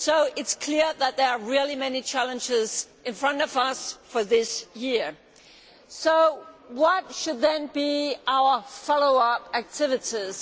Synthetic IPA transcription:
soʊʔɨtskʰl̥ɪɹðət̪̚ðə˞ːɹɪlˠimɛnit͡ʃʰælˠə̃nd͡ʒɪzʔɨ̃nfɹʌ̃ntʌvʌsfə˞ðɪsjɪɹ | soʊwʌtʃɨd̪̚ðɨ̃nbiʔaʊə˞fɑlˠoʊʌpæk̚tʰɪvɨɾiz̥

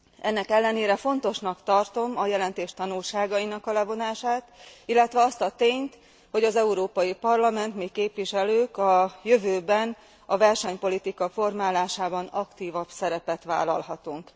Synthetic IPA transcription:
ɛnːɛkɛlːɛneːɾɛfo̞nt̪o̞ʃnɒkt̪ɒrt̪o̞mɒjɛlɛnt̪eːʃt̪ɒnulʃaːɡɒjinɒkɒlɛvo̞naːʃaːt̪ilːɛt̪ʋɛɒst̪ɒt̪eːɲt̪ | ho̞ɟɒzɛuɾoːpɒjipɒrlɒmɛnt̪miːkːeːpʋiʃɛløːkɒjø̞vøːbɛn | ɒvɛrʃɛɲpo̞lit̪ikɒfo̞rmaːlaːʃaːbɒnɒkt̪iːvɒbsɛɾɛpɛt̪ʋa̰ːlɒ̰lhɒt̪uŋk

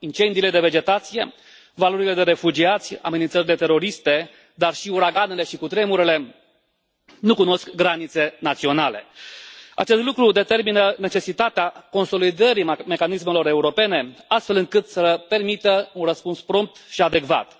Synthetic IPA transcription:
int͡ʃe̞nd̪iled̪e̞ve̞d͡ʒe̞t̪at̪sije̞ | valo̞ɾile̞d̪e̞ɾe̞fud͡ʒiat̪sʲa̰menint̪səɾile̞t̪e̞ɾo̞ɾist̪e̞ | d̪arʃiuɾaɡane̞le̞ʃikut̪ɾe̞muɾele̞ | nukuno̞skɡɾanit̪se̞nat̪sio̞nale̞̰ | a̰t͡ʃe̞st̪lukɾud̪e̞t̪erminəne̞t͡ʃe̞sit̪at̪eako̞nso̞lid̪əɾime̞kanisme̞lo̞ɾe̞uɾo̞pe̞ne̞ast̪fe̞lɨŋkɨt̪səpe̞rmit̪əunrəspunspɾo̞mp̚t̪ʃiad̪e̞kva̰t̪

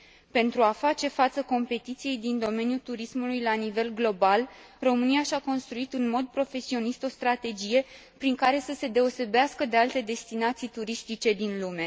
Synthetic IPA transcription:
pe̞nt̪ɾuafat͡ʃe̞fat̪səko̞mpe̞t̪it̪sije̞jd̪ind̪o̞me̞njult̪uɾismulujlanive̞lɡlo̞bal | ro̞mɨnijaʃako̞nst̪ɾuit̪ɨnmo̞d̪̚pɾo̞fe̞sio̞nist̪o̞st̪ɾat̪e̞d͡ʒije̞ | pɾiŋkaɾe̞səse̞d̪e̞o̞se̞beaskəd̪ealt̪e̞d̪e̞st̪inat̪sijt̪uɾist̪it͡ʃe̞d̪inlume̞

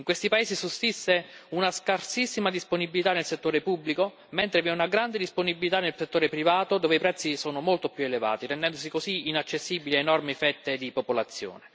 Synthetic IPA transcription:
iŋkwest̪ipaeːsisust̪isːeunaskarsisːimad̪isponibilit̪anelset̪ːoːɾepubːliko | ment̪ɾeviɛunaɡɾand̪ed̪isponibilit̪anelset̪ːoːɾepɾivaːt̪od̪oːveipɾɛt̪sːisoːnomolt̪opjueleva̰ːt̪iɾend̪ɛnd̪os̬ikosiinat͡ʃːesːibiliaenɔrmifɛt̪ːed̪ipopolat̪sːjo̰ːne

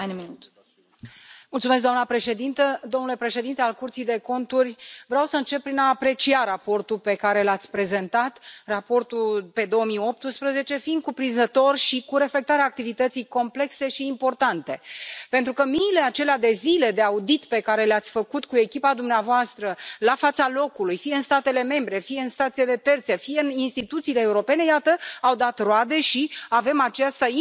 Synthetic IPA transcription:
ajnminut̪ | mult̪sumes̬ɡd̪oanəpɾe̞ʃe̞d̪int̪əd̪omnule̞pɾe̞ʃe̞d̪int̪ealkurt̪sijd̪e̞ko̞nt̪urʲvɾeawsəɨnt͡ʃe̞p̚ːɾinaːpɾe̞t͡ʃiaɾapo̞rt̪upe̞kaɾe̞lat̪sʲpɾe̞ze̞nt̪at̪rapo̞rt̪ulpe̞d̪o̞omijo̞p̚t̪ɨspɾəze̞t͡ʃe̞find̪̚kupɾinzət̪o̞rʲʃikuɾe̞fle̞k̚t̪aɾeaːk̚t̪ivit̪ət̪sijko̞mple̞kse̞ʃiːmpo̞rt̪ant̪e̞pe̞nt̪ɾukəmiːle̞at͡ʃe̞lead̪e̞zile̞d̪e̞aud̪it̪pe̞kaɾe̞leat̪sʲfəkut̪kue̞kʲipad̪umneavoast̪ɾəlafat̪salo̞kulujfijeɨnst̪at̪e̞le̞me̞mbɾe̞fijeɨnst̪at̪sijedle̞t̪e̞rt̪se̞fijeɨninst̪it̪ut̪siːle̞ːuɾo̞pe̞ne̞jat̪əawd̪at̪road̪e̞ʃiave̞mat͡ʃast̪a

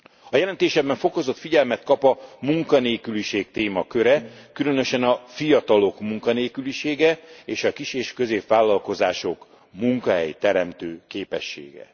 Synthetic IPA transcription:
ɒjɛlɛnt̪eːʃɛbːɛɱfo̞ko̞zo̞t̪fiɟɛlmɛt̪kɒpɒmuŋkɒneːkyliʃeːkt̪eːmɒkø̞ɾɛkylø̞nø̞ʃɛnɒfijɒt̪ɒlo̞kmuŋkɒneːkyliʃeːɡɛeːʃɒkiʃeːʃkø̞zeːpʋaːlːɒlko̞zaːʃo̞k | muŋkɒɦɛ̰jt̪ɛɾɛmt̪øːkeːpɛ̰ʃːḛːɡɛ̰

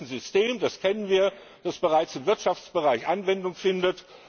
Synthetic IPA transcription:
n̩zʏsteːmd̥askʰɛnənviːɐ | d̥asb̥əʁaɪt͡sɪmvɪɐtʃaft͡sb̥əʁaɪçʔanvɛndʊŋfɪndət

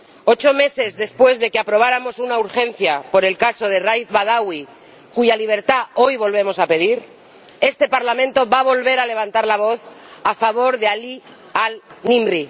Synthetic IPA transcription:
o̞t͡ʃo̞me̞se̞zðe̞spwe̞zðe̞keapɾo̞β̞aɾamo̞sunauɾxe̞n̟θjapo̞ɾe̞lkaso̞ð̞e̞rajθβað̞awi | kuʝaliβ̞e̞ɾt̪ao̞jβo̞lβ̞e̞mo̞sape̞ð̞iɾ | e̞st̪e̞paɾlamẽ̞nt̪o̞βaβo̞lβe̞ɾale̞βant̪aɾlaβ̞o̞θ | afaβ̞o̞ɾðeali | alnĩmɾi

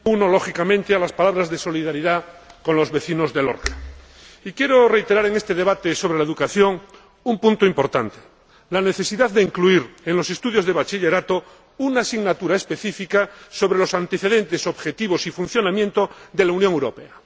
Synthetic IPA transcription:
unolo̞xikamẽnt̪ealaspalaβɾazðe̞so̞liðaɾiðako̞nlo̞zβe̞θino̞zðe̞lo̰ɾkḁ | ikjeɾore̞jt̪e̞ɾaɾe̞ŋe̞st̪e̞ðe̞β̞at̪esoβɾelaeðukaθjo̞ŋ | umpunt̪oimpo̞ɾt̪ant̪e̥ | lane̞θe̞siðaððeiŋkluiɾenlo̞se̞st̪uð̞jo̞zðe̞βat͡ʃiʎe̞ɾat̪o | unasiɣnat̪uɾae̞spe̞θifikaso̞βɾelo̞sant̪e̞θe̞ðe̞nt̪e̞so̞βxe̞t̪iβ̞o̞sifun̟θjo̞namjent̪oðe̞launjõŋewɾo̞pe̞a

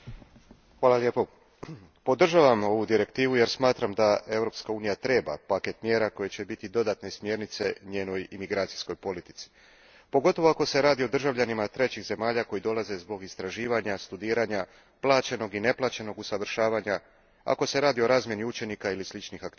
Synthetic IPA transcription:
xʋaːlˠaljeːpo | po̞d̪r̩ʒaʋamo̞ʋud̪iɾe̞kt̪iːʋuje̞ɾsmaːt̪ɾamd̪ae̞vɾo̞pskauːnijat̪ɾe̞ːba̰pake̞t̪mje̞ːɾako̞je̞t͡ɕe̞bit̪id̪o̞d̪aːt̪ne̞smje̞ɾnit̪se̞ɲe̞ːno̞jimiɡɾaːt̪si̥sko̞jpo̞lit̪i̥t̪si̥ | po̞ɡo̞t̪o̞ʋoako̞se̞ɾaːd̪io̞d̪r̩ʒaʋʎanimat̪ɾe̞t͡ɕiɣze̞maːʎako̞jid̪o̞lˠaze̞zbo̞ɡist̪ɾaʒiːʋaɲast̪ud̪iːɾaɲa | plˠaːt͡ɕe̞no̞ɡine̞plˠat͡ɕe̞no̞ɡusaʋr̩ʃaːʋaɲa | a̰ko̞se̞ɾaːd̪io̞ɾaːzmje̞niut͡ʃe̞nikailislit͡ʃnixakt̪

